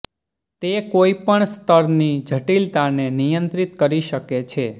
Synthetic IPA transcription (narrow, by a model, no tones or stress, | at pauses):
t̪ekoipəɳst̪ʰəɾnid͡ʒʱəʈilt̪anenijənt̪ɾit̪kəɾiʃəket͡ʃʰe